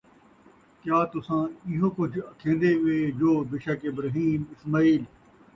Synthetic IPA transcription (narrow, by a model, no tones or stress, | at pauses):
kjaːt̪ʊsãːɪɦõːkʊd͡ʒʱəkʰẽːnd̪eːʊeːd͡ʒoːbɪʃaːkebɾaɦiːmɪsmaːiːl